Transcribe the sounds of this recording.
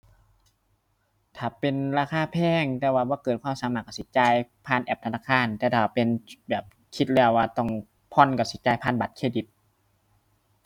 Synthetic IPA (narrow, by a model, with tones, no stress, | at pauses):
t̪ʰaː˨˩pe˧nɾaː˧xʰaː˧˥˨pʰɛː˧˩˨ŋt̪ɛː˧waː˧˩bɔː˧˦kɤː˨˩t̪̚kʰaː˧˥˨saː˨˦maː˨˩kːa˧˩si˨˧˦t͡ɕaː˧jpʰaː˧˥˨nʔɛ˨˩p̚t̪ʰa˧naː˧˥˩kʰaː˧˥˨nt̪ɛː˧˩t̪ʰaː˧˩pe˧˨nbɛː˨˩p̚ | kʰi˧˥t̪̚lɛ˧˩˨waː˧˩t̪ɔ˧˩ŋ | pʰɔ˧˥˨nka˧˩si˨˦t͡ɕaː˧˨jpʰaː˧˥˨nba˨˩t̪̚kʰeː˧˩di˨˦t̪̚